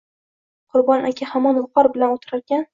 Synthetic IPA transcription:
qʰʊɾbɒnʔakʲʰahamɒnwʊqɒɾbɪlanot̪ʰɪɾaɾɡʲan

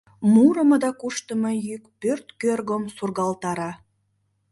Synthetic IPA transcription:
muɾə̆məd̪ɑkuʃt̪əməjykpørt̪kørɣomsurɣɑlt̪ɑɾɑ

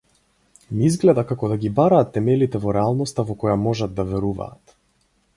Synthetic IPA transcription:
miizɡlɛd̪akakɔd̪aɡibaɾaːt̪ːɛmɛlit̪ɛvɔɾɛalˠnɔst̪avɔkɔjamɔʒad̪̚d̪avɛɾuva̰ːt̪

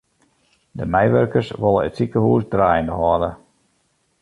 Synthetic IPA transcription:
dəmɛjʋørkərsʋolˠə̰ətsikəhuːsdraːjəndəɦɔdə

